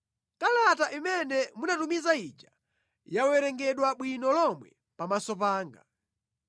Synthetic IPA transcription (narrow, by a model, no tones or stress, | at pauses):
kalataʔimɛnɛmunatumizait͡ʃa | jawɛɾɛŋɡɛɗwaɓwinɔlɔmwɛ̰ | pamasɔpaːŋɡa